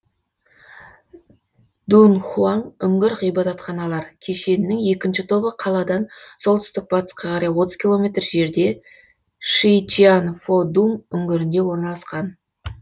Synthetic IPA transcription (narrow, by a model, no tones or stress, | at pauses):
d̪unχuɑnʏŋɡʲɪɾʁijbɑt̪ɑt̪χɑnɑlˠɑɾkʲʰe̞ʃe̞nɪnɪŋe̞kʲɪnʃɪt̪ʰo̞bəqʰɑlˠɑd̪ɑnsolˠt̪ʰʏ̥st̪ɪk̚bɑt̪ə̥sqɑqʰɑɾɑjwo̞t̪əz̥kʲʰilˠo̞mʲe̞t̪rʒe̞ɾd̪e̞ | ʃijt͡ʃianfod̪umʏŋɡʲɪɾɪnd̪e̞wo̞ɾnɑlˠɑsqɑn